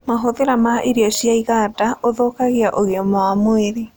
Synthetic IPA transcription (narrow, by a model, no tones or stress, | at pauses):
maɦoðeɾamaʔeɾiɔɕjaiɣaːdaʔoðoːkaɣeaʔoɣeɔmamoeɾe